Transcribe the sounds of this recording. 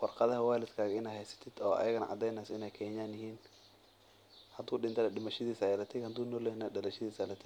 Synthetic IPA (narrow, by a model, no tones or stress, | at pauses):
wɑrqɑðɐhɐwaːlɪd̪kʰaːɣɐɪnɛhɛjsɐ̥t̪ʰɪd̪̥ɔːʔɐ̰jɐɣɐnɐ̰ʔɑ̰d̪ɛjnaːsɪnɛjkʰɛːɲaːnjɪɦiːn | hɐd̪uːɗɪnt̪ʰɐlɐɗɪmɐʃɐðiːsajlɐt̪ʰɪɡhɐd̪uːnɔlɛnɐɗɐlɐʃɐðiːsalɐt̪ʰɪ